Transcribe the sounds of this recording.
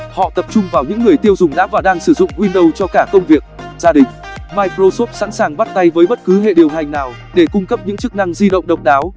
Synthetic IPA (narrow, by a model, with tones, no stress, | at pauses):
hɔ̰˧˨t̪ə˨˩p̚t͡ɕʊ˧ŋ͡mvaː˨˩wɲɨ̰˧˥ŋːɨ˨˩əjt̪i˧əwzʊ˨˩ŋ͡mɗa̰ː˧˥vaː˨˩ɗaː˧ŋsɨ˧˩zʊ̰˧˨ŋ͡mhwi˧nɗə˧wt͡ɕɔ˧kaː˧˩kə˧wŋ͡mvi˨˩ək̚zaː˧ɗï˨˩ŋ̟maː˧jkɾo˧so˦˥p̚sa̰˧˥nsaː˨˩ŋɓə˦˥t̚t̪a˧jvəː˨˦jɓə˦˥t̚kɨ˨˦ɦḛ˧˨ɗi˨˩əwta˨˩jŋ̟naː˨˩w | ɗe˧˩kʊ˧ŋ͡mkə˦˥p̚ɲɨ̰˧˥ŋt͡ɕɨ˦˥k̚na˧ŋzi˧ɗə̰˧˨wŋ͡mɗə˨˩wk͡p̚ɗaː˨˦w